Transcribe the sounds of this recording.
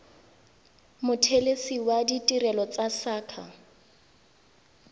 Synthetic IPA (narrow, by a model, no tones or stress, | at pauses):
mʊtʰelesiwaditʼiɾɛlɔt͡sasaːkʰa